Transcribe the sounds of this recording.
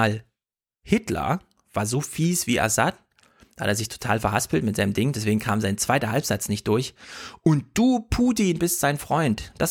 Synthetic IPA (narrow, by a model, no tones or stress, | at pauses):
l | hɪtlɐ̰ | v̥aːɐzoːfiːsv̥iːʔa̰sat̚ | d̥a̰ːʔeːɐzɪçtʰo̥tʰa̰ːlfɛɐɦaspl̩tmɪtz̥aɪnəmdɪŋndɛs̬veːɡŋ̩kʰaːmzaɪnt͡sv̥aɪtɐɦalpz̥at͡snɪçt̚d̥ʊɐçʔʊnt̚d̥uːpʰuːtiːnbɪstz̥aɪnfʁ̥ɔʏntd̥as